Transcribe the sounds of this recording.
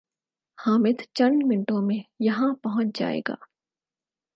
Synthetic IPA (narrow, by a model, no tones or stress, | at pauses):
haːmɪt̪t͡ʃɐ̃ɳɖmɪnɪʈõmẽjɐɦãpɐɦʊ̃t͡ʃd͡ʒa̰ːḛːɡa̰ː